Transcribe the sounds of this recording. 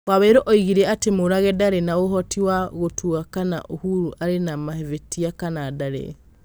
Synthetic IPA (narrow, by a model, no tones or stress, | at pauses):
waβeɾoʔɔiɣiɾɛatemoɾaɣɛdaɾenaɣoɦɔtiwaɣotʰuɣakana̰ʔohuɾuʔaɾenamahevetiakanaːdaɾḛ